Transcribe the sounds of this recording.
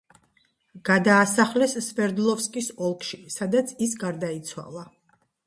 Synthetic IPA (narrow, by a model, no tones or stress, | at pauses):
ɡ̥ad̪aːsaχlɛsːvɛɾd̪lˠɔfskʼisɔlˠkʰʃisad̪at̪sʰisɡaɾd̪ait̪sʰwa̰lˠa